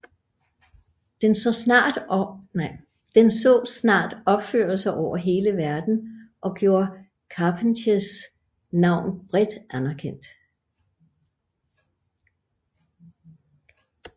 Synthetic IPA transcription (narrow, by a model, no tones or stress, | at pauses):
d̥ensɒsnɑːd̥nɪ | d̥ensɔ̰̽ːsnɑ̰̈ːd̥ɒ̽b̥fø̰ːɐsɑʔɒʊ̰ɐɦe̝ːləʋæɐd̥n̩ʔɒ̽ɡ̥jo̝ːɐ | kʰɑpʰənɕəs | nɑ̈ʊ̰nb̥ʁɛd̥ænɐkʰen̰d̥